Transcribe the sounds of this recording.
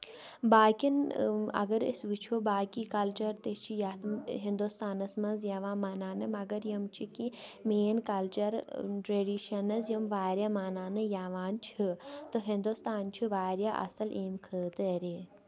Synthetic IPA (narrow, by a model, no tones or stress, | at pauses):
baːkinɐ̰ɡɐɾḭsʋit͡ʃʰoːbaːkikɐlt͡ʃɐɾt̪et͡ʃʰijat̪ɦĩnd̪ust̪aːnɐsmɐnzjaʋaːmaːnaːnɐmɐɡɐɾjɐmt͡ʃʰikimeːnkɐlt͡ʃɐɾʈɾeːɖiːʃɐnɐzjɐmʋaːɾjaːmaːnaːnɨjaːʋaːnt͡ʃʰit̪ɨɦind̪ust̪aːnt͡ʃʰiʋaːɾjaʔɐ̰sɐlʔeːmkʰəːt̪əɾeː